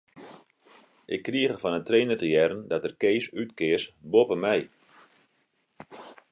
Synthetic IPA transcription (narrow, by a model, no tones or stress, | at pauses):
ʔɪkːriəɣərfɔnətreːnərtəjɛɾəndɔtərkeːsytkɪərsbopəmɛj